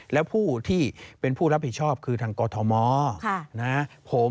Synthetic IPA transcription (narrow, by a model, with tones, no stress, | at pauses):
lɛ˦˥wpʰuː˥˩t̪ʰiː˥˩pe˧npʰuː˥˩ɾa˦˥p̚hi˨˩t̪̚t͡ɕʰɔː˥˩p̚kʰɯː˧t̪ʰaː˧ŋkɔː˧t̪ʰɔ˧mɔː˦kʰa˥˩na˦˥pʰo˩˦